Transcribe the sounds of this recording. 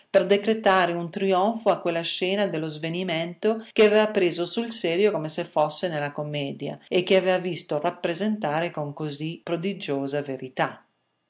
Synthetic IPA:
perd̪ekɾet̪aːɾeunt̪ɾiɔɱfoakːwelːaʃɛːnad̪elːozvenimɛnt̪ok̟eavɛːvapɾeːzosulsɛːɾjokomesefɔsːenelakomːɛːd̪ja̰ekːeaveːvavist̪orapːɾezent̪aːɾekoŋkozipːɾod̪id͡ʒoːzaveɾit̪a

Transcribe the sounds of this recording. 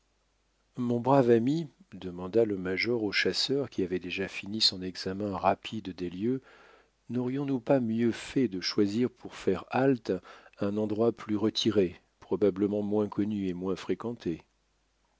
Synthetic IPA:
mɔ̃bʁavami | d̪əmɑ̃d̪aləmaʒɔʁoʃasœʁkʲiavɛd̪eʒafinisɔ̃nɛɡzamɛ̃ʁapʰid̪d̪eljø | nɔʁjɔ̃nupamjøfɛd̪əʃwaziʁpuʁfɛʁalt̪ɛ̃nɑ̃d̪ʁwaplyʁət̪ʰiʁe | pχɔbabləmɑ̃mwɛ̃kʰɔnyemwɛ̃fχekɑ̃t̪ʰe

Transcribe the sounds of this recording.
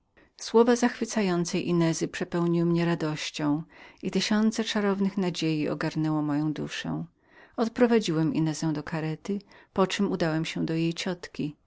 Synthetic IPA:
swɔvazaxfɘt̪sajɔnt̪sɛjʔinɛzɘpʂɛpɛwɲiwɘmɲɛɾad̪ɔɕt͡ɕɔ̃w̃it̪ɘɕɔnt̪sɛt͡ʂaɾɔvnɘxnad͡ʑejiɔ̰ɡaɾnɛwɔmɔjɔ̃w̃d̪ṵʂɛ̰̃w̃ | ɔt̪pɾɔvad͡ʑiwɛmḭnɛzɛ̃w̃d̪ɔkʰaɾɛt̪ɘpɔt͡ʂɘmud̪awɛmɕɛ̃d̪ɔjejt͡ɕɔt̪kʲi

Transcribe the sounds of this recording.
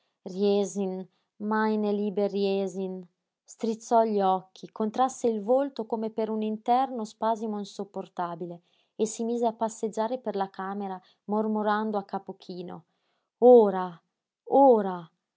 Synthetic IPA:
rjɛzin | majneliːberjɛzin | st̪ɾit̪sːɔʎɔkʰːikont̪ɾasːeilvolt̪okomepeɾunint̪ɛrnospaːzimoinsupːort̪aːbile | esːimiːzeapːasːed͡ʒːaːɾeperlakaːmeɾa | mormoɾand̪oakːapokʰiːno̰ | oːɾa | oːɾa

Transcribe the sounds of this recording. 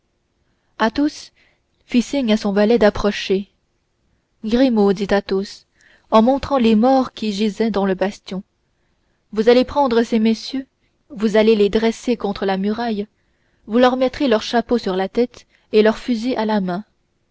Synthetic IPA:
at̪os | fisiɲasɔ̃valɛd̪apχɔʃe | ɡʁimod̪it̪at̪os | ɑ̃mɔ̃t̪χɑ̃lemɔʁkʲiʒizɛd̪ɑ̃ləbast̪jɔ̃ | vuzalepχɑ̃d̪ʁəsemɛsjø | vuzaleled̪ʁɛsekɔ̃t̪χəlamyʁaj | vulœʁmɛt̪χelœʁʃaposyʁlat̪ɛt̪ | elœʁfyziʔalamɛ̃

